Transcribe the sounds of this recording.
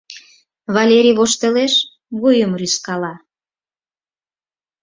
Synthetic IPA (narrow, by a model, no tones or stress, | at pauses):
βɑlʲeɾʲiβoʃt̪eleʃ | βujəmryskɑlɑ